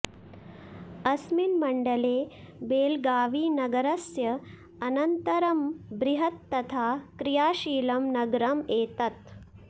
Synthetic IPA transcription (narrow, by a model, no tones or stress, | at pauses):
ɐsminmɐɳɖɐleː | beːlɡaːʋiːnɐɡɐɾɐsjɐ | ɐnɐnt̪ɐɾɐmbɾiɦɐt̪ːɐt̪ʰaːkɾijaːʃiːlɐmnɐɡɾɐmeːt̪ɐt̪